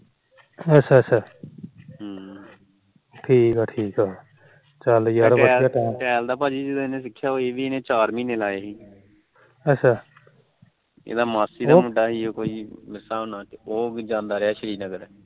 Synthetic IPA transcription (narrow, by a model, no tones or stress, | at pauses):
ət͡ʃʰːaːt͡ʃʰaː | ɦ | ʈʰiːkaːʈʰiːkaː | t͡ʃəljaɾbəɛːaːɛːmʈɛːld̪aːpaːd͡ʒiːd͡ʒɪd̪ːɪnẽːsɪkʰːjaːoːeːʋiːenẽːt͡ʃaːɾmĩːneːlaːjeːɦiː | ət͡ʃʰːaː | ḛːd̪aːmaːsiːd̪amʊɖaːɦiːoːkoːiːmɪsːaːõːnaːkoːɡd͡ʒãːnd̪aːɾeaːʃəɾiːnəɡəɾ